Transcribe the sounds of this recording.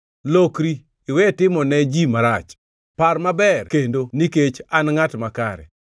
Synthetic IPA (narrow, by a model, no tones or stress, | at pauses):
lokɾiː | wɛtɪmɔnɛd͡ʒimaɾat͡ʃ | parmabɛrkendoniket͡ʃanŋatmakaɾɛ̰